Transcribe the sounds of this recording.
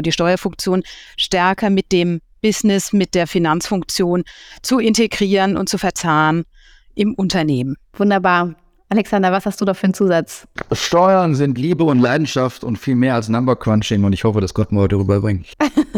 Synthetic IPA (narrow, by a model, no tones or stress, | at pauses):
diːʃtɔʏɐfʊŋk̚t͡sjoːnʃtɛɐkɐmɪt̚d̥eːmb̥ɪsnɪsmɪt̚d̥eːɐfinant͡sfʊŋkt͡sjoːnt͡suɪnteɡʁiːʁənʊ̰nt̚t͡sufɛɐt͡saːʁən | ʔɪmʔʊntɐneːmənvʊndɐbaːɐ | ʔalɛksandɐvashastd̥uːdɔχfyːɐnt͡suːzat͡sʃtɔʏɐnzɪntliːbəʊntlaɪdn̩ʃaftʊntfiːlmeːɐalsnambəkʰv̥anʃɪnʊntɪçhɔfədasɡ̥ɔtmɔʏtəʁyːbɐbʁɪŋt